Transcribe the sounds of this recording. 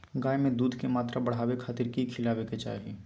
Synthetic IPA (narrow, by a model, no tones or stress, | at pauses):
ɡaːemẽd̪uːd̪ʱkemaːt̪ɾʔabɐɽ̤aːwekʰaːt̪ɪɾkikʰɪlaːweket͡ʃa̰ːɦe